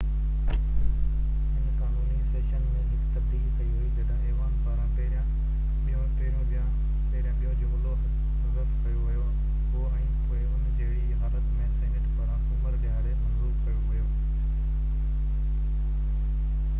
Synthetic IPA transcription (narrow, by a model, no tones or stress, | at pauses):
ɪ̃nkaːnũːniseːʃənmẽɪt̪ɐbd̪iːlkɐiɦʊid͡ʑɐɗ̃ɛːʋaːnpaːɾãpeɾã | ɓijõpeːɾõɓɪjã | peɦɾijãɓijõd͡ʑoːloːɦ | suːɾət̪kɐjoɦʊjo | ɦoɛ̃ːpoːeʊnd͡ʑeːɽiɦaːlət̪mẽseːnɪʈpaːɾãsʊməɾɗɪjaːɽemɐ̃nzuːɾkɐjoɦʊjoː